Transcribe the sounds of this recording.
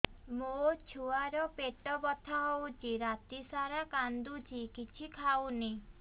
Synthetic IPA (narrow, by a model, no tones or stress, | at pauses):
mot͡ʃʰuaɾɔpeʈɔbɔt̪ʰaɦowt͡ʃiɾat̪isaɾakand̪ut͡ʃʰikit͡ʃʰikʰawni